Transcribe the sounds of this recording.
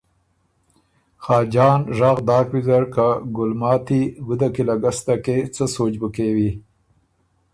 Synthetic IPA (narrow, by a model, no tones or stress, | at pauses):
xɑːd͡ʒɑːnʐɑːɣd̪ɑːkwizaɾkaɡʊlmɑːt̪iɡud̪akilaɡast̪aket͡səsoːt͡ʃbəkewi